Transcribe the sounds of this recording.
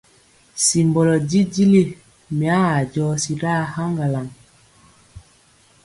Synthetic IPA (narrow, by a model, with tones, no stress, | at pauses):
si˨mbɔ˨lɔ˨ɟi˦ɟi˦li˦ | mi˨a˦a˨ɟɔː˦si˦ɾa˦ha˦ŋɡa˨la˨ŋ